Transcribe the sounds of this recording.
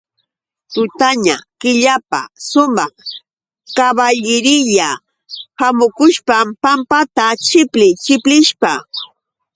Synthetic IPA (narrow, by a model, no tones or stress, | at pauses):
t̪ʊt̪aɲakɪʎapa̰sʊmɑχ | kaβaʎɪɾɪʎa | hamʊkʊʃpampampat̪at͡ʃɪplɪt͡ʃɪplɪʃpa